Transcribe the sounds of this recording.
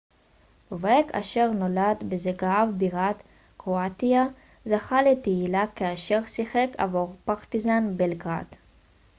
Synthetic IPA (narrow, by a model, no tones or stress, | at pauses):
veka̰ʃeʁnolad̪bezeɡaavbiʁat̪ | kʁoat̪ia | zaχalet̪eilakaaʃeʁsiχekʰa̰voʁpaʁt̪izanbelɡʁa̰d̪